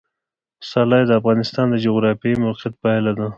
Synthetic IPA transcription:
sɑlɑjd̪əafɣɑnɪst̪ɑnd̪əd͡ʒoɣɾɑfemawqɪt̪̚palad̪a

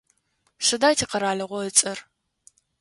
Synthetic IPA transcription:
ʂɨdaːjtʰiːqɐɾaːɮɐʁʷɔət͡sʼɐr

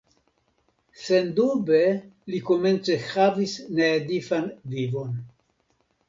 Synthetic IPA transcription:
sendubelikome̞nt͡sehavisneːdifanvivo̞n

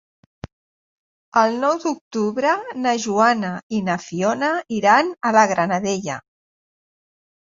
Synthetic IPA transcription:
əlˠnɔwd̪uk̚t̪uβɾənəʒuanainaəfiɔnaiɾanələɣ̞ɾanəðeʎa̰

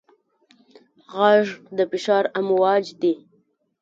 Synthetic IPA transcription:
ɣaʐd̪əfɪʃɑɾamwɑd͡ʒd̪i

